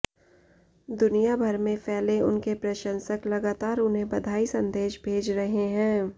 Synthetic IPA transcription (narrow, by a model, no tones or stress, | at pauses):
d̪ʊnijabʱɐɾmẽfʰɛːleʊnkepɾɐʃə̃nsəklɐɡaːt̪aːɾʊnɦẽbɐd̪ʱaːisɐ̃nd̪eːʃbʱeːd͡ʒɾɐɦeɦɛ̃ː